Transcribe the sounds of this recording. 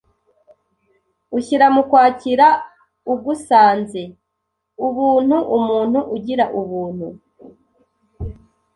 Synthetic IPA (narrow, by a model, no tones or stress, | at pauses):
uçiɾamukwaːciɾa | ub̚ɡusaːnze | uβuːn̥huʔumuːn̥huʔuɟiɾaʔuβuːn̥hu